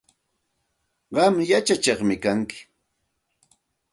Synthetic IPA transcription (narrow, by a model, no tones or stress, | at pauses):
ɢɑmjat͡ʃat͡ʃɑχmɪkaŋkɪ̥